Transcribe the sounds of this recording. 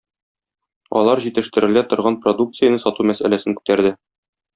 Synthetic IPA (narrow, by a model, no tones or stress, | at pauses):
ɒ̰lˠɑɾʑit̪ɘ̆ʃt̪ɘ̆ɾɘ̆læt̪ŏɾʁɑnprod̪uk̚t̪sɨjənɤsɒt̪umæsæ̰læsɘŋkʉ̥t̪æɾd̪ɘ